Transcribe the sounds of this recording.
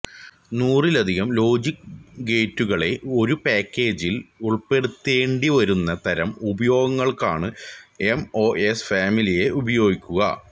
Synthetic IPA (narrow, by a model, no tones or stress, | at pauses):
nuːrilɐd̪ʱiɣɐmlo̞ːd͡ʑikɡe̞ːtːuɣɐɭe̞o̞ɾupaːkʲːe̞ːd͡ʑiluɭpe̞ɽut̪ːe̞ːɳɖiʋɐɾunːɐt̪ɐɾɐmubɐjo̞ːɡɐŋːɐɭkaːɳɨe̞mo̞ːʔesfaːmilije̞ʔubɐjo̞ːɡikʲːuɣɐ̰